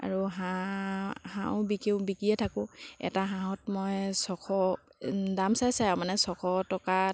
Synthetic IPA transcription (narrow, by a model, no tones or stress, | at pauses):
a̰ɹuɦa | hã̰wbikiʊbikijɛtʰakʊ̃ɛ̰taɦãɔ̃tmɔjsɔkʰɔ | damsajsajãmanɛsɔkʰɔtɔka